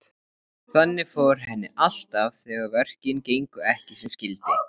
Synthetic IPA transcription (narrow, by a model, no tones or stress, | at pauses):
θanːɪfowɾ̥ɦɛnːɪʔal̥t̪avθɛɣaɾvɛr̥cɪncejŋkʏɛhcɪsɛmscɪlt̪ɪ